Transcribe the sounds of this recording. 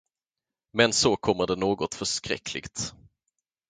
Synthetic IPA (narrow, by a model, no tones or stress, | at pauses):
mɛnsɔkʰɔmːəɖɛnoːɡɔt̪fœʂkɾɛ̰kʰːlɪ̰ɡt̪